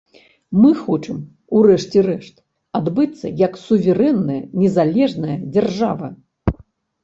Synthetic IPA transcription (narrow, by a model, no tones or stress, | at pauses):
mɨxɔt͡ʂɨm | urɛʂt͡sʲɛrɛʂt̪ | ad̪bɨt̪sːɐ̰jɐksuvʲɛɾɛnːɐjɐnʲɛzalʲɛʐnɐjɐd͡zʲɛrʐavɐ̰